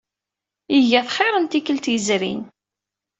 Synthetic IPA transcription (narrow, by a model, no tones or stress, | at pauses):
iʝæθχeɾˤənt̪ikəlt̪jəzɾḭn